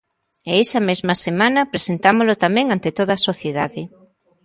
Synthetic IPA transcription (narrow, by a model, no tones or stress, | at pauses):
eɛsɐmezmɐsemanɐpɾesent̪amolot̪amɛ̃ŋant̪et̪oðɐːsoθjeðaðɪ